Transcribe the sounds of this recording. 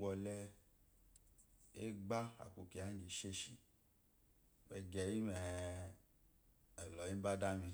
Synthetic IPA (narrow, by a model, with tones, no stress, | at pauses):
ɡɔ˧lɛ˦ | e˦ɡ͡ba˦a̰˨ku˨ki˨a˨˦n˦d͡ʒe˨ʃe˦ʃi˨ | bɛ˨ɡɛ˨ji˦mɛ˨ | ɛ˨lɔ˨ji˦m˦ba˦da˦mi˧